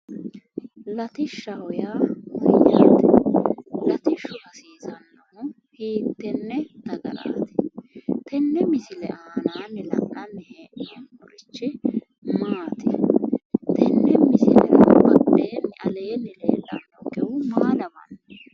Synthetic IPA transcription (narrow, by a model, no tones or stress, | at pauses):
lɐt̪ɪʃːɐhɔjaːmɐjːaːt̪ɪ | lɐt̪ɪʃːʊʔɐsiːzɐnːɐmʊ | hiːt̪ːɛnːɛd̪̥ɐɡɐ̰ɾa̰ːt̪ɪ̥t̪ɛnːɛmɪsɪlɛ̰ʔaːnaːnːɪlɐ̰ʔɐnːɪheːʔɛnɔɾɪt͡ʃːɪ | maːt̪ɪ | t̪ɛnːɛmɪsɪlɛ̰ɾɐ̰bɐd̪ːeːnːɛʔɐleːnːɪlḛːlːanːɔɡɛwʊmaːlɐbɐ̰nː